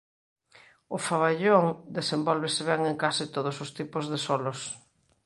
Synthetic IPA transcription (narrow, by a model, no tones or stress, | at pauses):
ʊfaβaʎoŋd̪esembɔlβɪsɪβɛŋeŋkasɪt̪oðʊsʊst̪ipʊzðesolos